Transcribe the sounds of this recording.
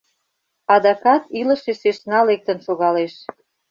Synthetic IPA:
ɑd̪ɑkɑt̪ilə̆ʃeʃeʃnɑlek̚t̪ə̆nʃoɣɑleʃ

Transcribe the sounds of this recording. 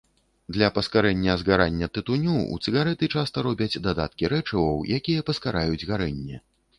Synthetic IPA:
d̪lʲɐpɐskaɾɛnʲːɐzɣaɾanʲːɐt̪ɨt̪unʲuṵt̪sɨɣaɾɛt̪ɨt͡ʂast̪ɐɾɔbʲɐd͡zʲd̪ad̪at̪̚kʲiɾɛt͡ʂɐvɐwjakʲijɐpɐskaɾajud͡zʲɣaɾɛnʲːɛ

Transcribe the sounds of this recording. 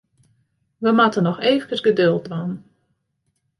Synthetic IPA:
ʋəmatənɔxeːvəkəsɡədølˠtʋan

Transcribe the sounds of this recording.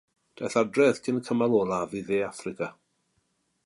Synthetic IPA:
d̥aθadrɛð̥kʰɪnəkʰəmalˠɔːlˠaviðeːafrɪkʰa

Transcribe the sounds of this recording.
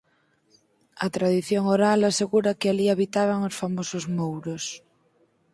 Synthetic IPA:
ɐt̪ɾað̞iθjoŋoɾalaseɣuɾakɪaliaβit̪aβ̞aŋosfamosozmowɾos

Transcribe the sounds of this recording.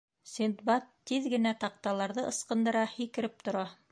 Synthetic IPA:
sʲind̪bɑt̪ːiðɡɘ̆næt̪ɑq̚t̪ɑlˠɑɾðɤʔɤ̆sqɤ̆nd̪ɤ̆ɾɑhikɘ̆ɾɘp̚t̪ŏɾɑ

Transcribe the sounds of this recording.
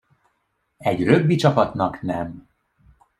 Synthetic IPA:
ɛɟrøɡːit͡ʃɒpɒt̪nɒknɛm

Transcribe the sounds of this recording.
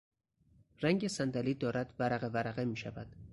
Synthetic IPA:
ræŋɟesænd̪æliːd̪ɒːɾæd̪̥væɾæɣevæɾæɣemiːʃæ̰væd̪̥

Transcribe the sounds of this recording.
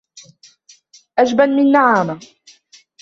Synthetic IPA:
ʔad͡ʒbanmɪnːaʕaːma

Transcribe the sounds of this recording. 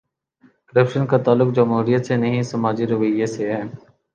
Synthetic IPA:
kəɾəpʃənkat̪aːlːʊk̚d͡ʒəmɦuːɾijət̪senəɦĩsəmaːd͡ʒiɾʊʋəjːeseɦɛː

